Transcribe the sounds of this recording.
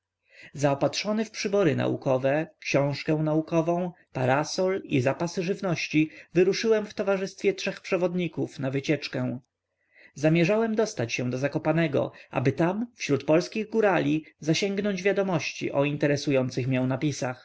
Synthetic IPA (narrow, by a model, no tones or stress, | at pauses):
zaɔpatʂɔnɛfpʂɘbɔɾɘna̰ʔṵkɔvɛkɕɔ̃w̃ʂkɛ̃w̃naukɔvɔ̃w̃ | paɾasɔlḭzapasɘʐɘvnɔɕt͡ɕivɘɾuʂɘwɛmft̪ɔvaʐɘst̪fʲjɛtʂɛxpʂɛvɔd̪ɲikufnavɘt͡ɕɛt͡ʂkɛ̃w̃ | zamʲjɛʐawɛmd̪ɔst̪at͡ɕɕɛ̃w̃d̪ɔzakɔpanɛɡɔ̰ʔa̰bɘt̪amfɕɾut̪pɔlskʲiɣɡuɾalʲizaɕɛŋɡnɔɲd͡ʑvʲjad̪ɔmɔɕt͡ɕḭʔɔint̪ɛɾɛsujɔnt̪sɘxmʲjɛw̃napʲisax